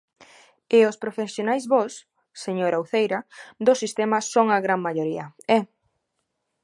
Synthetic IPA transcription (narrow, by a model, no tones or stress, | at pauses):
ɪospɾofesjonajzβɔsː | eɲoɾawθejɾɐd̪osist̪ɛmɐsoŋaɣɾaŋmaʎoɾiɐɛ